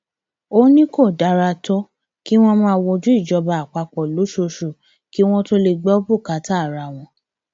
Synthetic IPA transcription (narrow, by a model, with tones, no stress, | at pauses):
o˦nĩ˦ko˦˨da˨˧˦ɾa˧tɔ˦ | ki˦w̃ɔ̃˦mãː˦˧wɔ˧d͡ʒu˦i˦˨d͡ʒɔ˧˦ba˧˨a˨k͡pa˧k͡pɔ˨lo˨˦ʃo˧ʃu˨ | ki˦w̃ɔ̃˦to˦le˧ɡ͡bɛ˦o˦bu˦˨ka˨˦ta˦˨ɾa˨w̃ɔ̃˧